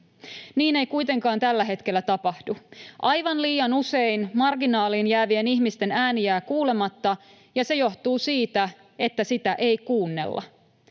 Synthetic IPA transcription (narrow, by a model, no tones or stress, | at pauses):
niːne̞jkujt̪eŋkɑːnt̪ælːæɦe̞t̪ke̞lːæt̪ɑpɑhduʔɑjʋɑnliːjɑnuse̞inmɑrɡinɑːliːnjæːʋie̞niçmist̪e̞næːnijæːkuːle̞mɑt̪ːɑ | jɑse̞jo̞ht̪uːsiːt̪æ | e̞t̪ːæsit̪æʔe̞jkuːnːe̞̰lːɑ̰